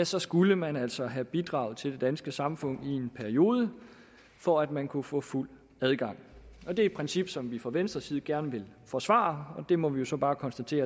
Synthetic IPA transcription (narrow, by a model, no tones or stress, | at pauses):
jæsɒ̽sɡ̥uləmænæl̰sɒ̽ɦæb̥id̥ʁɑ̈ːʊð̩ˠt͡sʰe̝lde̝d̥ænsɡ̥əsɑ̈mfɔ̽n̰ie̝npʰæɐio̝ːð̞ˠə | fɒ̽æd̥mænkʰufɔ̰ːful̰ | æð̞ˠɡ̥ɑ̈ŋ̰ɒ̽d̥e̝i̥pʰʁɛnsib̥sɒ̽mʋifʁɒʋensd̥ʁɐsiːð̞̩ˠɡ̥æɐnəʋe̝l | fɒ̽sʋɑ̰̈ːɒ̽d̥e̝mɒ̽ʋijo̝sɒ̽b̥ɑ̈ːkʰɒ̽nsd̥æt͡sʰe̝̰ːɐ